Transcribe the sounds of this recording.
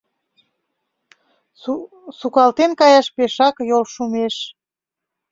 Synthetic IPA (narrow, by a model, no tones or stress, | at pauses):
sukɑlt̪enkɑjɑʃpeʃɑkjolʃumeʃ